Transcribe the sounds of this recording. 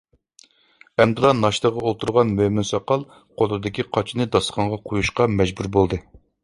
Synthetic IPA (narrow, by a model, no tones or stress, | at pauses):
ɛmd̪ɨlˠɑnɑʃt̪əʁəolˠt̪ʰuɾʁɑnmømynsɑqɑlˠ | qʰolˠɨd̪ɪkʲiqʰɑt͡ʃʰinɨd̪ɑsχɑɴʁɑqʰojuʃqɑmɛd͡ʒbuɾbolˠd̪ɨ